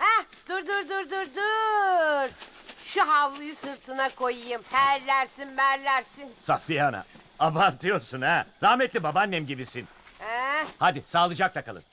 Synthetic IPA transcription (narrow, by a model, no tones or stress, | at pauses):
hɛd̪uɾd̪uɾd̪uɾd̪uɾd̪u | ɾ̥ | ʃuɦavlˠujɯsɯɾt̪ʰɯnakʰo̞jɯjɯmhæɾlʲæɾsinvæɾlʲæɾsinsafijana̰ | abant̪ʰɯjo̞ɾsunɛɾahmɛt̪lʲibabanːɛmɟibisin | ɛhad̪isaːlˠɯd͡ʒak̚t̪ʰakʰalˠɯ̰n